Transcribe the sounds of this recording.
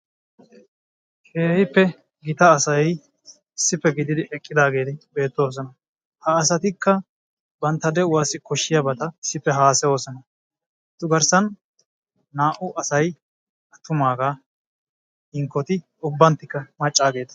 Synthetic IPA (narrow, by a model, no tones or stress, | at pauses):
keːjpːɛ | ɡɪt̪ɐːsɐj | ɪsːɪpːɛɡɪd̪ɪd̪ɪɛkʼːɪd̪aːɡe̞ːt̪ɪbe̞ːt̪ːoːs̬ɔnɐ | hɐːs̬ɐt̪ɪkːɐ | bɐnt̪ːɐd̪ɛʊwaːsɪkɔʃːɪjɐbɐt̪ɐɪsːɪpːɛɦaːsɛoːsɔnɐ | t̪ːʊɡɐɾsɐnː | aːʔʊʔɐsɐj | ɐt̪ːʊmaːɡa | ɪŋkːɔt̪ɪ | ʊbːɐnt̪ːɪkːɐmɐt͡ʃʼːaːɡe̞ːt̪ɐ̥